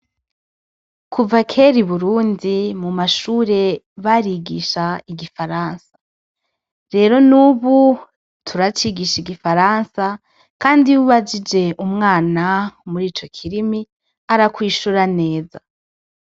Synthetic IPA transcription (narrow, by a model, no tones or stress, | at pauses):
kʰuvakʰe̞ɾiβuɾuːndimumaʃuːɾe̞ | βaɾiɡiʃaiɡifaɾaːnsḁ | ɾe̞ːɾo̞nuβu | tʰuɾat͡ʃiɡiʃiɡifaɾansa | kaːndiwuβad͡ʒid͡ʒe̞ʔumŋaːnamuɾiːt͡ʃo̞kʰiɾimi | aɾakwiːʃuɾane̞ːza